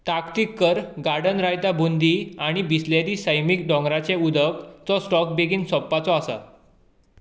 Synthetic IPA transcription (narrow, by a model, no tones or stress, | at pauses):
t̪akt̪ikːəɾɡaɾɖənɾajt̪abund̪iaɽ̃ibisleɾiːsəjmik̚ɖɔ̃ŋɡɾat͡seud̪əkt͡sɔsʈɔk̚beɡiːnsɔpːat͡sɔasə̰